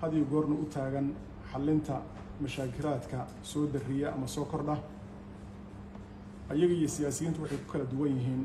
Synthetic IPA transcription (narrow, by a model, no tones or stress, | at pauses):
hɐðjɔɡɔːrnɐʔʊt̪ʰaːɣɐn | ħɑlːɪnt̪ʰɐ | mɐʃaːkʰɪlaːd̪kʰɐ | sɔːd̪ɐrɪjɛʔɐmɐsɔːkʰɔrɖɐ | ʔɐjɐɣɐijɔsɪjaːsɪjiːnt̪ʊwɑħɑjkʰʊ̥kʰɐlɐd̪ʊwɐnjɪɦiːn